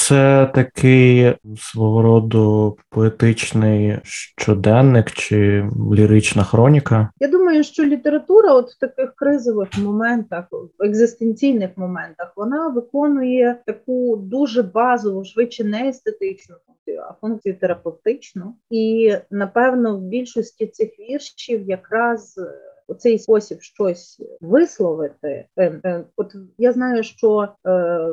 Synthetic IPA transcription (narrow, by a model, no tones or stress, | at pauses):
t̪sɛt̪ɐkɪjsʋɔɦɔɾɔd̪ɔpɔet̪ɪt͡ʃnɪjʃt͡ʃɔd̪ɛnːɪkt͡ʃɪlʲiɾɪt͡ʃnɐxɾɔnʲikɐjad̪umɐjʊʃt͡ʃɔlʲit̪eɾɐt̪uɾɐɔt̪w̥t̪ɐkɪxkɾɪzɔʋɪxmɔmɛnt̪ɐxʋeɡzɪst̪enʲt͡sʲijnɪxmɔmɛnt̪ɐxʋɔnɑʋɪkɔnʊjɛt̪ɐkud̪uʒɛbɑzɔʋʊʃʋɪt͡ʃːɛnɛːst̪et̪ɪt͡ʃnʊfunk̚t͡sʲijʊ̰ɐ̰funk̚t͡sʲijʊt̪eɾɐpewt̪ɪt͡ʃnʊinɐpɛwnɔwbʲilʲʃɔsʲtʲisɪxʋʲirʃt͡ʃiwjɐkɾɑztt̪sɛjspɔsʲibʃt͡ʃɔsʲʋɪslˠɔʋɪt̪ɪ̰ | ɔt̪jaznɑjʊʃt͡ʃɔ